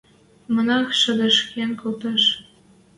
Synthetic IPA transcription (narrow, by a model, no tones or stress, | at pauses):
mɤ̆nɑxʃə̆d̪ə̆ʃkenkolt̪ɑʃ